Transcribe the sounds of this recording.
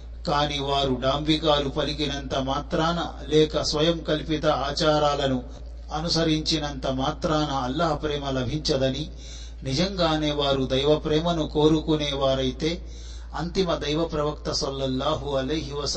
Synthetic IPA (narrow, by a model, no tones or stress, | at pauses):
kaːniʋaːɾuɖaːmbʱikaːlupɐliɡinɐnt̪ɐmaːt̪ɾaːnɐ̰ | lɛːkɐsʋɐjɐmkɐlipit̪ɐaːt͡ʃaːɾaːlɐnu | ɐnusɐɾiɲt͡ʃinɐnt̪ɐmaːt̪ɾaːnɐːlːaːɦɐpɾɛːmɐlɐbʱiɲt͡ʃɐd̪ɐni | nid͡ʒɐŋɡaːne̞ːʋaːɾud̪ɐjʋɐpɾɛːmɐnuko̞ːɾukunɛːʋaːɾɐjit̪e̞ː | ɐnt̪imɐd̪ɐjʋɐpɾɐʋɐk̚t̪ɐsɐlːɐlːaːɦuɐlɐjɦiʋɐs